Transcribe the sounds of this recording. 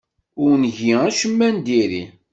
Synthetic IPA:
ʊɾnʝiæʃəmːænd̪iɾḭ

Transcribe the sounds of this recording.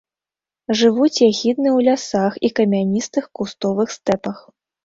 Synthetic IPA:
ʐɨvut͡sʲjaɣʲid̪nɨwlʲasaxikɐmʲanʲist̪ɨxkust̪ɔvɨxst̪ɛpɐx

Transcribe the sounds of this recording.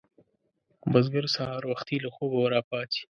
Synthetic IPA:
bazɡəɾsahɑɾwaxt̪ilaxobawaɾɑːpɑːt̪ʰi̥

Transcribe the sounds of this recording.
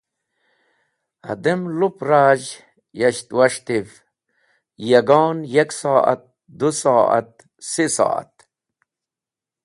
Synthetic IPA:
ɐ̰d̪emlupɾaːʑ | jɐɕt̪wɐʂt̪if | jɐɡoːnjɐksaːʔɐ̰t̪̚ | d̪usaːɐ̰t̪̚ | sisa̰ːa̰t̪

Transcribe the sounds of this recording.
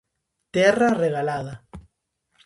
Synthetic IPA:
t̪ɛrareɣalaða

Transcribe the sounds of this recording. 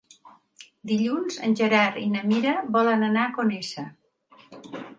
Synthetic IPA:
d̪iʎunzə̰nʲʒəɾaɾinəmiɾəβɔlənənakonesə

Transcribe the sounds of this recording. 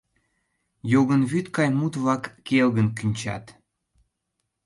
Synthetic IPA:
joɣənβyt̪kɑjmut̪βlɑkːelɣənkynʲt͡ɕɑ̰t̪

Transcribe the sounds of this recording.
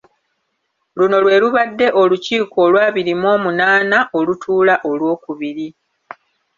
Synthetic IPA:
luno̞lwe̞ːluβadːe̞ʔo̞luciːko̞ːlwaːβiɾimo̞ːmunaːnaʔo̞lutʰuːlaʔo̞lwo̞ːkuβiɾi

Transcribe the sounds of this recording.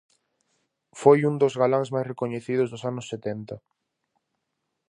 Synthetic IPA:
fojund̪ozɣalaŋzmajsrekoɲeθið̞ʊzðʊsanʊsːet̪ent̪ɐ

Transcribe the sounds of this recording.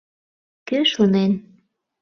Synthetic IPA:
køʃunen

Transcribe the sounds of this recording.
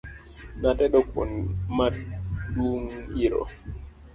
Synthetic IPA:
natɛɗɔko̰nmaɗuŋiɾɔ̰

